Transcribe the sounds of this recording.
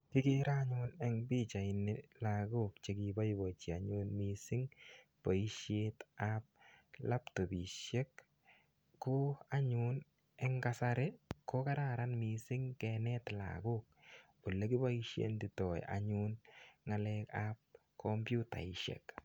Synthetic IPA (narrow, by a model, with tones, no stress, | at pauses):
kɪ˦kɪ˦ɾa˦ɲʊnɛ˦ŋbi˦t͡ʃa˨ɪ˨nɪla˨ɡʊ˦k̚t͡ʃe˦ki˨ba˦jbo˨t͡ʃi˨a˨ɲʊ˦nmisɪ˦ŋ | pa˨i˦ʃje˦tap̚la˦pto˨biʃe˦kː | o˦a˦ɲʊ˦n | ɛŋkasaɾe˦ko˦ka˦ɾa˨ɾa˦nmisɪ˦ŋkɛnɛ˦tla̰˨ɡʊ˦k̚ | o˨le˦ki˦ba˦iʃjḛ˦ndi˨tɔ˨j̰ʔa̰ɲʊ˦nŋa˨lɛkap̚ | kʰɔmpju˦ta̰˨i˨ʃḛ˨k